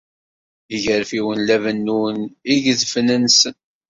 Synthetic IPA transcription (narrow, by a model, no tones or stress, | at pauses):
əʝəɾfiwənlævənːuniʝəzfnənsən